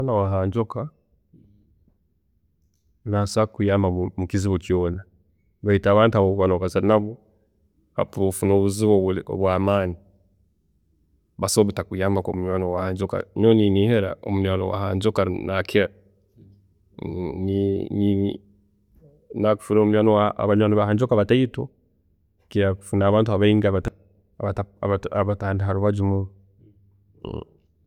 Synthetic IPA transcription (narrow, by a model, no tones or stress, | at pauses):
alawaɦaɲd͡ʒɔka | nasakujamamukiziβɔkjɔna | βaitaːβaːntuaβowanɔβasanaβɔ | ha̰pufunoβuziwɔ̰βwamaːni | βasɔβitakujamakomuɲanɔwahaːɲd͡ʒɔka̰noniniheɾa̰o̰muɲwaːno̰wa̰haːɲd͡ʒokaɾnakʰe | nini | naku̥fuɾomuɲwanowaa̰βaɲwaːnoβahaɲd͡ʒokaβataito | kiɾafunaːβaːntuaβaiŋɡaβata | aβataβaβataːndiɦaɾuβad͡ʒumu